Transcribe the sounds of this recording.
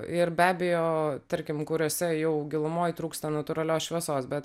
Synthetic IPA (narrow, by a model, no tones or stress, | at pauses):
ɪɾbʲæːbʲejoːt̪ɐɾʲkʲɪmkʊɾʲoːsʲɛjɛʊɡʲɪlˠʊmoːjt̪ɾuːkst̪ɐnɐt̪ʊɾɐlʲoːsʃʲʋʲiɛsoːsbʲɛt̪